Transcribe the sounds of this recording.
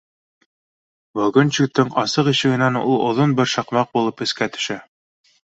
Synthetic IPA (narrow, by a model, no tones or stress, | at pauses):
bɵ̆ɡɵnt͡ɕuk̚t̪ɘŋɑsɤqiʃɘ̆ɡɘ̆nænṵlˠŏ̰ðonbɘɾʃɑqmɑq̚bulˠɤpɘ̆skæt̪ɵ̥̆ʃæ